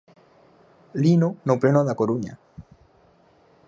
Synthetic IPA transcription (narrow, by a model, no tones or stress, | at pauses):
linonoplenoðakoɾuɲa̰